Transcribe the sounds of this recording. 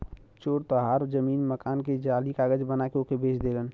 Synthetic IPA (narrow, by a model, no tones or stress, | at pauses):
t͡ʃoːɾt̪əɦaːɾzəmiːnməkaːnked͡ʒaːlikaːɡəd͡ʒbənakeokebeːt͡ʃʰd̪eːlən